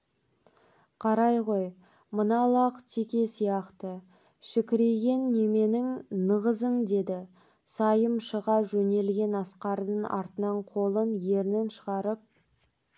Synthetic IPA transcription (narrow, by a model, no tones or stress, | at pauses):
qʰɑɾɑjʁoj | mənɑlˠɑqt̪ʰekʲe̞sijɑqt̪ə | ʃɪkʲɪɾe̞ɡʲe̞nːe̞me̞nɪŋnəʁəzəŋd̪e̞d̪ɪ | sɑjəmʃəʁɑʒɵne̞lɡʲe̞nɑsqɑɾd̪əɴɑ̰ɾt̪ənɑɴqʰo̞lˠənje̞ɾnenʃəʁɑɾəp̚